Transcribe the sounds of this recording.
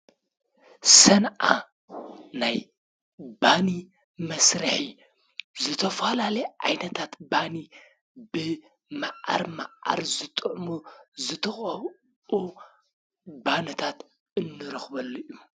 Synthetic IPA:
sɐnʔa̰ | naj | bani | mɐsɾɐħi | zɨt̪ʰɐfɐlaljʔa̰jnɐt̪ʰat̪bani | bɨ | maʔa̰ɾma̰ʔa̰ɾzɨt̪ʼɨʕmuzɨt̪ʰɐxʼɐβ | u | banɐt̪ʰat̪ | ɨnːɨɾɐxbɐlːuʔu

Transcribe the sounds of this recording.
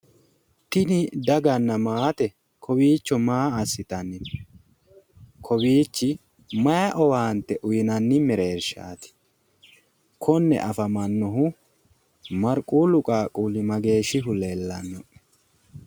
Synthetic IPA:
t̪ɪnɪd̪ɐɡɐnːɐmaːt̪ɛ | kʰɔwiːt͡ʃːɔmaːɐsːɪt̪ɐnːɪn | kʰɔwiːt͡ʃːɪ | mɐjɐʔɔwaːnt̪ːɛʔʊjɪnɐnːɪmɛɾe̞ːɾʃa̰ːt̪ɪ̥ | kʰɔnːɛ̰ʔɐfɐmɐnːɔɦʊ | mɐɾkʼuːlʊkʼaːkʼuːlɪmɐɡe̞ːʃɪɦʊlelːɐnːɔʔ

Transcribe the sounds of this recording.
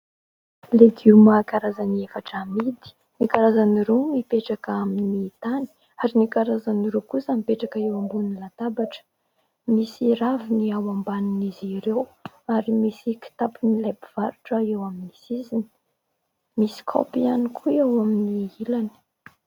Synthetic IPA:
leɡ̪umakaɾazaniefaʈ͡ʂamid̪i̥ | nikaɾazaniɾemipeʈ͡ʂakaminiːt̪ani̥ | aɾinikaɾazaniɾekusamipeʈ͡ʂakaewambunilat̪abaʈ͡ʂə̥ | misiɾaviniawambaniniziɾew | aɾimisiki̥t̪apinilapiv̥aɾuʈ͡ʂaewaminisizini̥ | misi̥kʰo̰pianikʰuewaminiilani̥

